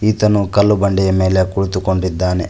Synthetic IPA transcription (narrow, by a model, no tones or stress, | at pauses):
iːt̪ɐnukɐlːubɐɳɖɛjɐme̞ːle̞kuɭut̪ukoɳɖid̪ːaːne